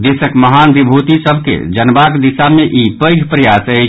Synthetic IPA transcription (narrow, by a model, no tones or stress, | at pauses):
d̪esəkməɦanɡ̪ibʱot̪isəbʱkḛd͡ʒənbakd̪isameʔipəjɡʱpɾəjasə